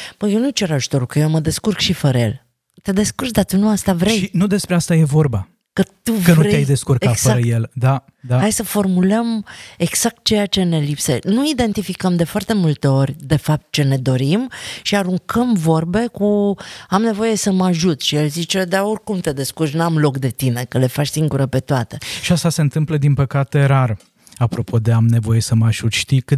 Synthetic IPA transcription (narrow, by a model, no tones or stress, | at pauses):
bəjewnujt͡ʃe̞ɾaʒu̥t̪o̞ɾukəjewməd̪e̞skurkʃifəɾəje̞̰l | t̪e̞d̪e̞skurkd̪at̪unuast̪avɾe̞jinud̪e̞spɾeast̪aje̞vo̞rba | kət̪uənuɾeeajd̪e̞skurkeat̪sfəaɾəje̞ld̪a | d̪ahajsəfo̞rmuləme̞ɡz̥ak̚t̪̚t͡ʃe̞jat͡ʃe̞ne̞lipse̞̰nuid̪e̞nt̪ifikəmd̪e̞foart̪e̞mult̪e̞o̞rʲd̪e̞fap̚t̪̚t͡ʃe̞ne̞d̪o̞ɾimʃiaɾuŋkʰəmvo̞rbe̞kuamne̞vo̞je̞səmaʒut̪ʲʃijelzit͡ʃe̞d̪aorkumt̪e̞d̪e̞skurʃ̬nuamlo̞kd̪e̞t̪ine̞kəle̞fat͡ʃsiŋɡuɾəpe̞t̪oat̪e̞ʃiast̪ase̞ɨnt̪ɨmpləd̪inpəkat̪e̞ɾar | apɾo̞pʰo̞d̪e̞amne̞vo̞je̞səmaʒut̪ʲʃt̪ikɨ